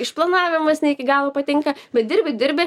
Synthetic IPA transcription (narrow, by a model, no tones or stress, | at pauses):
ɪʃplˠɐnɑːʋʲɪmɐsnʲɛɪkʲɪɡɑːlˠopɐt̪ʲɪŋkɐbʲɛt̪̚d̪ʲɪɾʲbʲɪd̪ʲɪɾʲbʲe